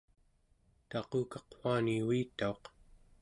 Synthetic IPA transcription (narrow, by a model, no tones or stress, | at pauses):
t̪ɑquːkɑqfaniwiːt̪ːao̞q